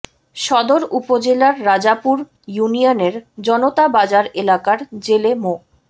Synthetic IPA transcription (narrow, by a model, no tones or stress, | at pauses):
ʃɔd̪oɾupod͡ʑelaɾːad͡ʑapuɾ | junioneɾd͡ʑɔnot̪abad͡ʑaɾelakaɾd͡ʑelemo